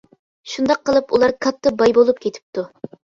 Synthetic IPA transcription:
ʃund̪ɑqʰːəlˠɨpulˠɑɾkʰɑt̪ʰːɨbɑjbolˠup̚kʲʰet̪ʰɪ̥p̚t̪u

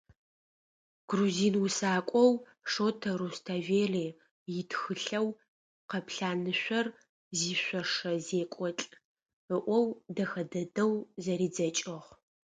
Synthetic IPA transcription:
ɡ̥ruziːnwʊsaːkʷʼɔw | ʂoːtʰɐrustʰaːveːreː | jɪtʰxɨɬɐw | qɐpɬaːnɨɕʷɐr | ziːɕʷɔʂɐzeːkʷʼɔt͡ɬʼ | əʔʷɔwdɐxɐdɐdɐwzɐɾiːd͡zɐt͡ʃʼɪʁ

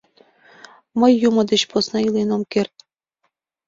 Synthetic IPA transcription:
məjːumɤ̆d̪eɕposnɑilenomkert̪̚ʲ

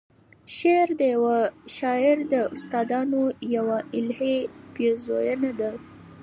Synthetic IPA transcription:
ʃeɾd̪əjawaʃɑɪɾd̪əʊst̪ɑd̪ɑnojawaʔɪlheb̥jezojənad̪a

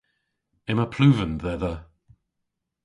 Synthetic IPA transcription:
ɪməpʰl̥uːvənðɛðə

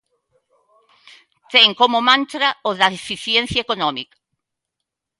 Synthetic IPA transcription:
t̪eŋkomomãnt̪ɾaozðɐðefiθjen̟θjaekonɔmikḁ

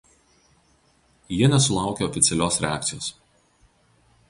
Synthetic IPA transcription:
jiɛnʲɛsʊlˠɑˑʊkʲeɔfʲɪt̪sʲɛlʲoːsɾʲɛæːˑk̚t̪sɪjo̰ːs

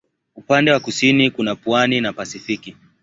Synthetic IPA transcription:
upandɛwakusinikunapwaninapasifiki

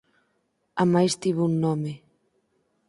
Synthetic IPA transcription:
amajst̪iβunːɔme

